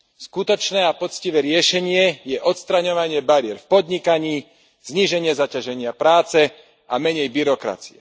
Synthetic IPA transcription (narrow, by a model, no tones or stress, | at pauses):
skut̪ɔt͡ʃnɛːapɔt̪t͡sciʋɛːɾɪɛʃɛɲɪɛjɛʔɔt̪st̪ɾaɲɔʋaɲɪɛbaɾɪɛɾfpɔd̪ɲikaɲiː | z̥ɲiʒɛɲɪɛzacaʒɛɲɪapɾaːt͡sɛ | amɛɲɛjbiɾɔkɾa̰t͡si̥ɛ